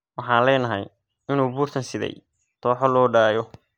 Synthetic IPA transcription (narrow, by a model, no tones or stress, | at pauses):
wɑħɑːnlɛːnɐɦɐ̰j | ɪnuːbuːrt̪ʰɐnsɪðɛ̰j | t̪ʰɔːħɔlɔːɖaːjɔ